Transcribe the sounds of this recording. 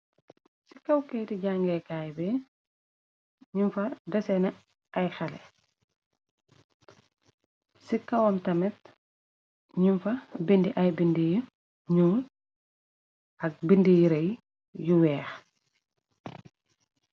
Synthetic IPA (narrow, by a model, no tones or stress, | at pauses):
si̥kɐwkɛjtiɟaŋɡɛkaːjbɛ | ɲumfɐdɐsɛnɐ | ʔɐjxɐlɛ̰ | sikɐwɐmtɐmɛt | ɲumfɐbindiʔɐjbindiji | ɲuːl | ʔɐk̚bindijiɾɐj | juwɛːx